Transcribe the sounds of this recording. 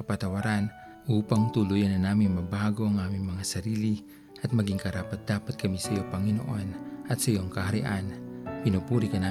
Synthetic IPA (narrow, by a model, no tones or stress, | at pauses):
apat̪awaɾan | uːpaŋt̪ulujanɐnaːminmɐbaɡoaŋaːmiŋmɐŋasɐɾiːli | ɐt̪̚mɐɡiŋkɐɾaːpat̪̚d̪̥aːpat̪̚kɐmisɐjopɐŋino̰ʔonɐt̪sɐjoŋkahaɾiʔanpinopuɾikɐna